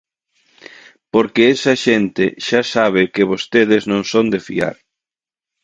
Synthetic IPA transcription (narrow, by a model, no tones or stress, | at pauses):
poɾkeesɐʃent̪ɪʃasaβɪkɪβ̞ost̪eð̞ɪznõŋsond̪efḭa̰ɾ